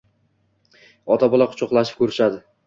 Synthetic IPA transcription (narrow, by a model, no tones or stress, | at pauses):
ɒt̪ʰabɒlˠaqʰʊ̥t͡ʃʰɒqlˠaʃɪp̚kʲɵɾɪʃad̪ɪ